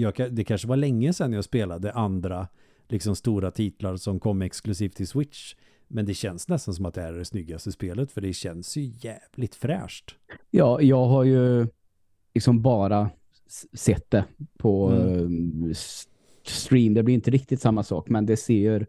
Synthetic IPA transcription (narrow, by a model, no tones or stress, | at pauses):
jɑːɡkʰad̪ɛkʰanʂəvaɭɛŋːəsɛnːjaːɡspeːlad̪əʔand̪ɾa | lɪksɔmst̪uːɾat̪ʰiːt̪laɾsɔmkʰɔmːɛksklɵsiːft̪ʰːɪlswɪt̪ʂ | mɛnd̪ɛɕɛnsnɛst̪ans̬ɔmat̪̚d̪ɛæɖɛsnʏɡːast̪əspeːlət̪fœɖɛɕɛnsjɵjæːvlɪt̪fɾɛ̰ːʂʈ | jɑːjɑːɡɦaɾjɵ | lɪksɔmbɑːɾa | sɛt̪ːd̪ɛpʰɔ | st̪ɾiːmd̪ɛblɪɾɪnt̪əɾɪk̚t̪ɪt̪samːasɑ̰ːkmɛnd̪ɛseːɾ